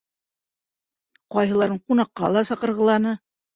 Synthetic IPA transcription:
qɑjɦɤ̆lˠɑɾɤɴqunɑqːɑlˠɑsɑqɤ̆ɾʁɤ̆lˠɑnɤ

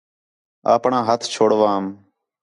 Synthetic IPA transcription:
a̰ːpɳãːɦət̪ʰt͡ʃʰoːɽʋãːm

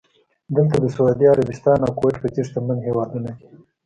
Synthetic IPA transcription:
d̪əlt̪ad̪əsaud̪iaɾabɪst̪ɑnawkoweʈpət͡siʂt̪əmanhewɑd̪unake̥

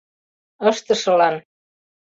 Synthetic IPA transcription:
əst̪əsəlan

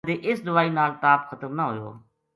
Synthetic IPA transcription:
d̪eːʔɪsd̪ʊʋaːiːnaːlʈ̪aːpxʰət̪əmnãːɦʊjo̰ː

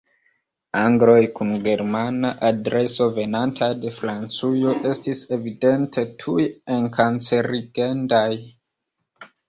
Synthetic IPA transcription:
aŋɡlo̞jkunɡe̞ɾmanaʔadɾe̞so̞ve̞nantʰade̞fɾant͡sujo̞ʔe̞stise̞vide̞ntʰe̞tʰujeŋkant͡se̞ɾiɡe̞ndaj

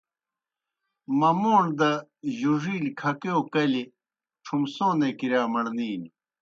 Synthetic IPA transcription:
mɐmoːɳd̪ɐʑuʐiːlkʰɐkeokɐli | ʈ͡ʂʰumsõːnekiɾjaːmɐɳniːn

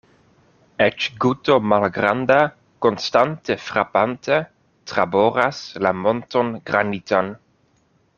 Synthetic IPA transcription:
ɛt͡ʃɡut̪omalɡɾand̪a | konst̪ant̪efɾapant̪e | t̪ɾaboɾaslamont̪onɡɾanit̪an

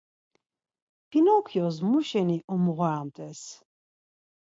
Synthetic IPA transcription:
pinɔkʰjɔzmuʃɛniʔɔmuʁɔamt̪ʼɛs

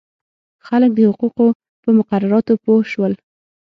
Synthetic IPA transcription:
xalək̚d̪əhʊquqo | pəmʊqaɾaɾɑt̪opohʃwəl

